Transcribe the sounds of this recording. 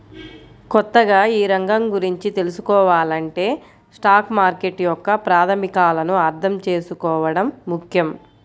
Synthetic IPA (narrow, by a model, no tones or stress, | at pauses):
kɔt̪ːɐɡaːiːɾɐŋɡɐmɡuɾiɲt͡ʃit̪e̞lusukɔːʋaːlɐɳʈe̞ː | sʈaːkmaːɾkeʈjɔkːɐpɾaːt̪ʰɐmikaːlɐnuɐɾt̪ʰɐmt͡ʃe̞ːsukɔːʋɐɽɐmːukʰjɐm